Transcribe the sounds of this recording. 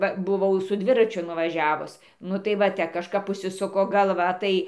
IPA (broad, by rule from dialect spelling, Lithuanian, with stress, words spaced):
ˈʋɐ bʊˈʋɐʊ sʊ ˈdʲʋʲɪrɐt͡ʃʲʊ nʊʋɐˈʒʲæːʋʊs ˈnʊ tɐɪ ʋɐ ˈtʲɛ kɐʃˈkɐp ʊʃʲsʲɪˈsʊkoː ɡɐlˠˈʋɐ ˈtɐɪ